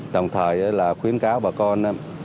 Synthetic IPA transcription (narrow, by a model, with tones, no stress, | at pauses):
ɗə˨˩wŋ͡mt̪ʰəː˨˩jʔa˨˦laː˨˩xwi˨˦ənkaː˨˦wɓaː˨˩kɔ˧nʔaː˨˦